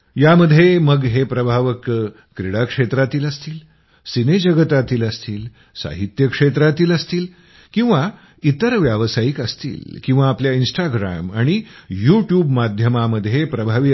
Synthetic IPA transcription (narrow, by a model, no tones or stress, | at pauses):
jaməd̪ʱːjeməɡɦepɾəbʱaʋəkː | ɾiɽakʂet̪ɾat̪iːləst̪iːl | sined͡ʑəɡət̪at̪iːləst̪iːl | sa̰ɦit̪jəkʂet̪ɾat̪iːləst̪iːl | kĩw̃ʋa | it̪əɾʋjaʋsajikəst̪ḭːlkĩw̃ʋaːpljainsʈaɡɾa̰maɽ̃ijuʈjuːbmad̪ʱjəmaməd̪ʱːjepɾəbʱaʋi